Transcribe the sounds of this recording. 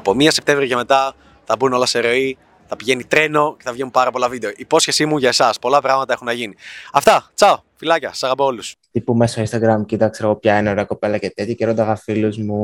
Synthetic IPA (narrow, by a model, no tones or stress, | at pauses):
ɐpo̞miɐse̞p̚t̪e̞vɾiɐcɐme̞t̪ɐ | θɐbuno̞lɐse̞ɾo̞i | θɐpiʝe̞nit̪ɾe̞no̞ce̞θɐvʝenumpɐɾɐpo̞lɐvid̪e̞o̞ʔipo̞sçe̞simuʝɐe̞sɐspo̞lɐpɾɐɣmɐt̪ɐe̞xunɐʝiniɐft̪ɐt͡sɐo | filɐcɐsɐ̥sɐɣɐpoo̞lust̪ipumesoinst̪ɐɡɾɐmcit̪ɐkseɾɐɣopçɐeneo̞ɾeɐko̞pelɐcet̪et̪çiceɾod̪ɐɣɐfiluzmu